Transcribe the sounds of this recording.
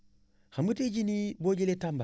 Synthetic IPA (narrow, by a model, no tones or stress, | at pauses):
xambəteɟiniboɟeletamba